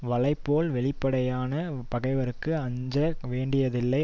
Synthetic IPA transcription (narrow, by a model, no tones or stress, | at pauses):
ʋɐɭɐɪpːoːlʋɛɭɪpːɐɽɐjaːnɐpɐɣɐɪʋɐɾɯkːɯɐɲd͡ʒɐʋeːɳɖɪjɐðɪlːɐɪ